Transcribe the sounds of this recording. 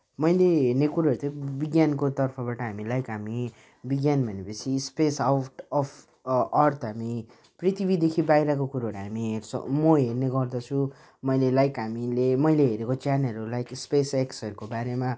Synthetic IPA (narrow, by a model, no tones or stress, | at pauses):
mʌjleɦernekuɾaɾut̪ʌbiɡjankot̪ʌrpʰʌbaʈʌɦamilajkɦami | biɡjanbʱʌnepʌt͡sʰispesawʈʌpʰ | ʌrt̪ʰɦami | prit̪ibid̪ekʰibajɾʌkokuɾaɦʌɾuɦamiɦert͡sʰʌ̰mʌɦerneɡʌrd̪ʌt͡sʰũ | mʌjlelajkɦamilemʌjleɦeɾekot͡sjaneulajkspeseksʌɾukobaɾema